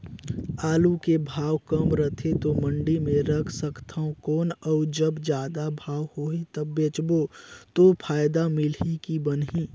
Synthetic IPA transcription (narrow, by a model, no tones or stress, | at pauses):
aːlukebʱaːwkəmɾət̪ʰet̪omə̃ɳɖimẽɾəkʰsəkt̪ʰaõkɔːnɔːd͡ʒəbd͡ʒjaːd̪abʱaːwhoit̪əbːeːt͡ʃbot̪opʰaːjd̪amɪlɦikibənɦiː